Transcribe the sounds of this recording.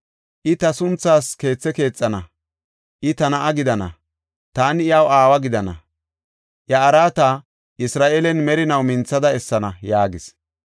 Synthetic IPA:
ʔɪt̪ɐsʊnt͡sːaːske̞ːt͡sːɛke̞ːt͡sʼːɐnɐ | ʔɪt̪ɐnɐʔɐɡɪd̪ɐnɐ̰ | t̪aːnɪjɐwaːwɐɡɪd̪ɐnɐ̰ | ʔjɐːɾaːt̪a | ʔɪsɾaːʔelɛnmɛɾɪnɐwmɪnt͡sːɐd̪ɐɛsːɐnɐjaːɡɪs

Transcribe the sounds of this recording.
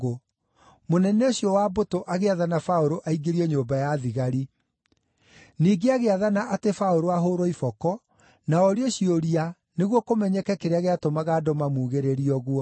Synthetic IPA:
o | monɛneoɕiɔwabotoʔaɣeaðanafaoɾoʔaiɡeɾiɔɲombajaðiɣaɾi | niːɡeaɣeaðanaʔatefaoɾoaɦoɾoifɔkɔ | naɔɾeɔɕioɾia | neɣwɔkomɛɲɛkɛkeɾeaɣeatomaɣaːdɔmamuːɣeɾeɾiɔɣwɔ

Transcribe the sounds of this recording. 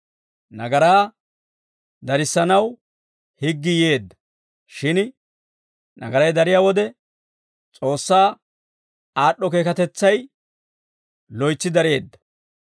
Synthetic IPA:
nɐɡɐɾaː | d̪ɐɾɪsːɐnɐw | hɪɡːɪje̞ːd̪ːɐ̥ | ʃɪn | nɐ̰ɡɐɾɐjd̪ɐɾɪjaːwɔd̪ɛ | t͡sʼo̞ːsːaː | aːɗːɔke̞ːkɐt̪ɛt͡sːɐj | lɔjt͡sːɪd̪ɐɾe̞ːd̪ːɐ̥

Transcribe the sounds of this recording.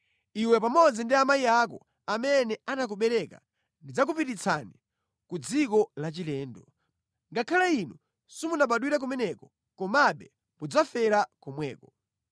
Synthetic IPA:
iwɛpamɔd͡zindiamaiak̬ɔ̰ | amɛnɛanak̬uɓɛɾɛka̰ | ndid͡zak̬upitit͡sʰani | kud͡zikɔlat͡ʃilɛːndɔ | ŋɡakʰalainu | simunaɓaɗwiɾak̬umɛnɛkɔ | kɔmaɓɛ | mud͡zafɛɾakɔmwɛːkɔ

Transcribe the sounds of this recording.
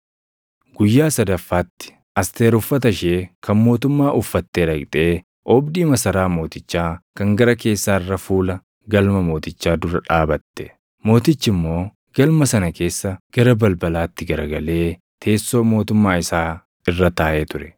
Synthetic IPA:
ɡ̥ʊjːaːsɐd̪ɐfːaːt̪ːɪ̥ | ʔɐst̪e̞ːɾʊfːɐt̪̬ɐʃeːkʰɐnmo̞ːt̪ʊmːaːʔʊfːɐt̪ːeːᶑɐkʼt̪ʼe̞ː | ʔɔːbd̪iːmɐsɐɾaːmo̞ːt̪ɪt͡ʃːaːkɐŋɡɐɾɐke̞ːsːaːɪrːɐfuːlɐ | ɡɐlmɐmo̞ːt̪ɪt͡ʃːaːd̪ʊɾɐᶑaːbɐt̪ːɛ̥ | mo̞ːt̪ɪt͡ʃːɪmːo̞ː | ɡ̥ɐlmɐsɐnɐke̞ːsːɐɡ̥ɐɾɐbɐlbɐlaːt̪ːɪɡɐɾɐɡɐle̞ː | t̪ʰe̞ːsːo̞ːmo̞ːt̪ʊmːaːɪsaː | ɪrːɐt̪aːʔeːt̪ʊɾɛ̥

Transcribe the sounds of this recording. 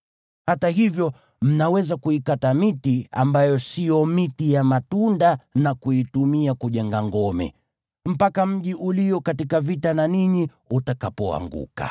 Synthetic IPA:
hataɦivjɔ | m̩nawɛzakuikatamitia̰mbajɔsijɔmitijamatundanakuitumiakuʄɛŋɡaŋɡɔmɛ̰ | m̩pakam̩ʄiʔulijɔkatikavitananiɲi | utakapɔa̰ŋɡṵka̰

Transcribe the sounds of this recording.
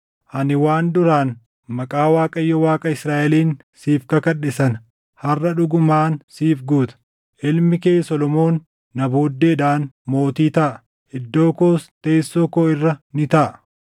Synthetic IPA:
ʔɐnɪwaːnd̪ʊɾaːn | mɐkʼaːwaːkʼɐjːɔwaːkʼɐɪsɾaːʔɛliːn | siːfkɐkɐɗːɪsɐn | hɐrːɐᶑʊɡʊmaːnsiːfɡuːt̪ɐ̥ | ʔɪlmɪkeːsɔlɔmo̞ːnː | ɐboːd̪ːeːᶑaːnmo̞ːt̪iːt̪ɐʔɐ | ɪd̪ːo̞ːkoːst̪e̞ːsːoːkoːɪrːɐnɪt̪ɐʔɐ

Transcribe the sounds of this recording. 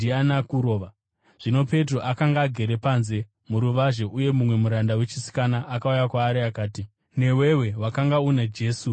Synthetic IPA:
ianakuɾo̞ːʋa | ʐ̥ino̞pe̞t̬roʔakaŋɡaːɡʱe̞ɾe̞panze̞ | muɾuʋaʒe̞ʔuje̞mumwe̞muɾandawe̞t͡ʃi̥si̥kanaʔːkaujakwaːɾiakaːti | ne̞we̞we̞wakaŋɡauned͡ʒe̞ːsu

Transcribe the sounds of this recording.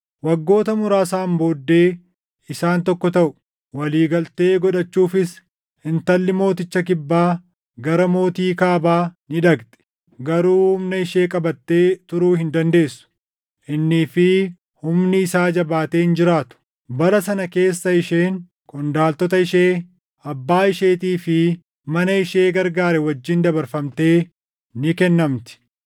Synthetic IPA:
wɐɡːo̞ːt̪ɐmʊɾaːsaːmbo̞ːd̪ːe̞ː | ɪsaːnt̪ɔkːɔt̪ɐʔʊ̥ | wɐliːɡɐlt̪e̞ːɡɔᶑɐt͡ʃːuːfɪs | hɪnt̪ɐlːɪmo̞ːt̪ɪt͡ʃːɐk̬ɪbːaː | ɡɐɾɐmo̞ːt̪iːkaːbaːnɪᶑɐkt̪ʼɛ̥ | ɡɐɾuːhʊmnɐɪʃe̞ːkʼɐbɐt̪ːe̞ːt̪ʊɾuːhɪnd̪ɐnd̪e̞ːsːʊ̥ | ʔɪnːiːfɪ | hʊmnɪːsaːd͡ʒɐbaːt̪e̞ːɪnd͡ʒɪɾaːt̪ʊ̥ | bɐɾɐsɐnɐke̞ːsːɐɪʃe̞ːŋ | kʊnd̪aːlt̪ɔt̪ɐɪʃeː | ɐbːaːɪʃe̞ːt̪iːfɪ | mɐnɐɪʃe̞ːɡɐɾɡaːɾɛwɐd͡ʒːɪnd̪ɐbɐɾfɐmt̪e̞ː | nɪkɛnːɐmt̪ɪ̥

